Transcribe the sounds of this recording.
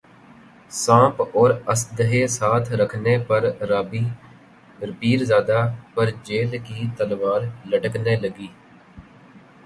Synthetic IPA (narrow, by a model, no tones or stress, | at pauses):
sãːpɔːɾəsd̪əɦeːsaːt̪ʰɾəkʰneːpəɾɾaːbiː | ɾəpiːɾzaːd̪aːpəɾd͡ʒeːlkiːt̪əlʋaːɾləʈəkneːləɡiː